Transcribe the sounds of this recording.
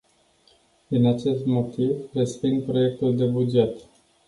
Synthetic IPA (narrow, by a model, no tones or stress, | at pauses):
d̪inat͡ʃe̞st̪mo̞t̪ivrespiŋɡpɾo̞je̞k̚t̪uld̪e̞bud͡ʒe̞t̪